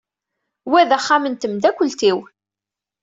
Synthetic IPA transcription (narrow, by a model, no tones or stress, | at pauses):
wæðæχːamənt̪əmd̪ækʷːəlt̪iw